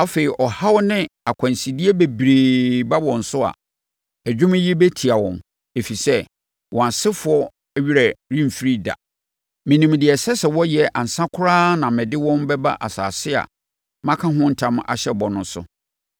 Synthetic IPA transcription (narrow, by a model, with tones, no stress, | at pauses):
a˦fe˨ɾi˨ʔɔ˨ha˦wnɪ̃˦a˨kʷʰã˨n˨si˨di˦e˦be˨bɾeː˨ba˦wɔ̃˨n̩˨sʊ˦a̰˨ | æ˨d͡ʑᶣʊ̃˦m˦ji˦bæ˦tʰi˨a˨wɔ̰̃˨n | e˨fi˨sɛ˦ | wʔɔ̃˨a˨sɪ˦fʊ˨ɔ˦ | æ˦ɥi˦ɾa˨ɾĩ˦m˨fi˦ɾi˦da̰˨ | mɪ̃˨nĩ˨m˨dɪ˨ɛ˨sɛ˦sɛ˨wɔ˦jɛ˨ʔa˨n̩˨sã˦kʰʊ˦ɾaː˦nã˨mɪ̃˨dɪ˦wɔ̃˦mbɛ˦ba̰˦ʔa˨sa̰ː˨sɪ˦a̰˨ | mã˦kʰã˦ɦʊ̃˦n̩˦tʰã˦m˦a̰˨ɕɛ˦˨bɔ˨nʊ̃˦sʊ̰˦